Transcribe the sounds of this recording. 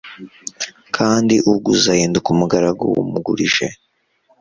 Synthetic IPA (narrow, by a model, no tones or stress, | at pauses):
kʰaːndiʔuɡuzahiːndukumuɡaɾaɡo̰wṵmuɡuɾiʒḛ